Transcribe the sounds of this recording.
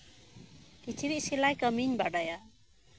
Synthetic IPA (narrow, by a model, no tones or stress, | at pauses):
kit͡ʃʰiɾisilajkʌminbaɽʌja